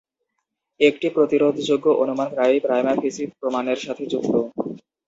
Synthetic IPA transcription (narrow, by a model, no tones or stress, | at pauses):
ek̚ʈipɾot̪iɾod̪ʱd͡ʑoɡːoʔonumankɾaikɾajmafʰisipɾomaneɾʃat̪ʰed͡ʑukt̪o